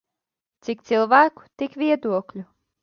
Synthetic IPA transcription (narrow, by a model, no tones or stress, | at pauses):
t̪sik̚t̪silˠvæːku̥t̪ikvʲiɛd̪uɔklʲu